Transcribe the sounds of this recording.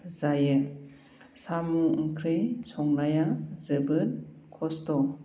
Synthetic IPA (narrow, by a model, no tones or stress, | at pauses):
zajɯ | samuŋkʰɾijsɔŋnajazɯbɯnkʰɔstɔ